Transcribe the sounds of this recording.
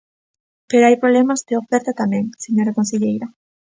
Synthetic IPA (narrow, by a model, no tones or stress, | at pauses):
peɾoajpɾolemazd̪eofɛɾt̪at̪amẽŋseɲoɾakonseʎejɾa